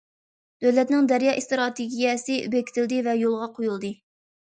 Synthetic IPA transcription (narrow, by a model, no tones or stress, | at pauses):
d̪̥øwlɛt̪nɪŋd̪ɛɾjɑːʔist̪ɾɑt̪ʰeɡʲijɛsɨʔy̰bɛkʲt̪ʰɪld̪ɪvɛjolˠʁɑqʰojulˠd̪ɨ